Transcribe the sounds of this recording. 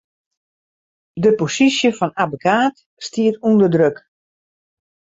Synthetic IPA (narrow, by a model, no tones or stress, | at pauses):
dəposisjəfɔnabokaːt | stiətundədrøk